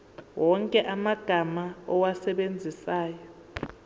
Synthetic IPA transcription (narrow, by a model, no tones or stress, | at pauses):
wɔŋkʼɛʔamaɡ̥ʱamaɔwasɛɓend͡zʱisaːjɔ